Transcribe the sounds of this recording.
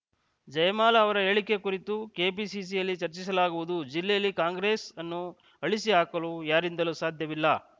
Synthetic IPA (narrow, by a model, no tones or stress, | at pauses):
d͡ʒɐjɐmaːlɐːʋɐɾɐeːɭike̞kuɾit̪uke̞ːpiːsis̬ijɐlːit͡ʃɐɾt͡ʃis̬ɐlaːɡuʋud̪ud͡ʒilːɛjɐlːikaːŋɡɾe̞ːsɐnːu | ɐɭisiɦaːkɐlujaːɾind̪ɐlusaːd̪ʱjɐʋilːɐ